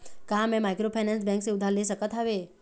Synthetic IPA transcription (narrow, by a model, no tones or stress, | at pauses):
kamɛ̃majkɾopʰajnɛ̃ns̬bɛ̃ŋkseud̪ʱaleʃəkət̪ʰɦaʋe